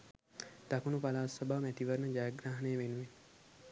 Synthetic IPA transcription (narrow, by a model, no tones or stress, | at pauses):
d̪̥akunupalaːsabaːmæt̪iʋəɾnəd͡ʒaːaɡɾaːɦɐnejəʋenuʋen